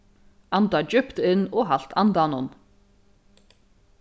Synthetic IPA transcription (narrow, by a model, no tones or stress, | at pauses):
ant̪ad͡ʒʏpt̪ɪnːɔɣɦal̥t̪ant̪anʊn